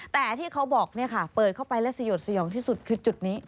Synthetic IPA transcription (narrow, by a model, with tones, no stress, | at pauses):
t̪ɛː˨˩t̪ʰiː˥˩kʰa˦˥wbɔː˨˩k̚ni˥˩ɐkʰa˥˩pɤː˨˩t̪̚kʰa˥˩wpa˧jlɛ˦˥sa˧joː˨˩t̪̚sʰa˧jɔː˩˦ŋt̪ʰiː˥˩su˨˩t̪̚kʰɯː˧t͡ɕu˨˩t̪̚niː˦˥